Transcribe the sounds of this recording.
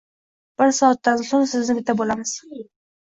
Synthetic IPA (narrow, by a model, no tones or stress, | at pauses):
b̥ɪɾsɒːat̪ːansʊɾsɪznɪbɪt̪ʰabolamɪz̥